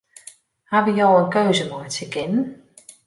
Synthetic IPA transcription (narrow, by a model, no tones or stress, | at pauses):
haʋəjɔwənkøɥzəmojtəkɪnən